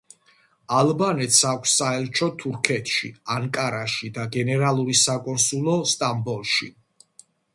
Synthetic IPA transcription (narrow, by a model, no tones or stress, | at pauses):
alˠbanɛt̪ʰsakʷʰsːaɛlt͡ʃʰɔt̪ʰuɾkʰɛt̪ʰʃḭaŋkʼaɾaʃid̪aɡɛnɛɾalˠuɾisakʼɔnsulˠɔst̪ʼambɔlˠʃḭ